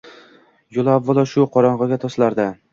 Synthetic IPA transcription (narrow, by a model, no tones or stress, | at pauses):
jolˠavːɒlˠɒʃʊqʰɒɾɒɴʁɑɡʲat̪ʰɒslaɾd̪a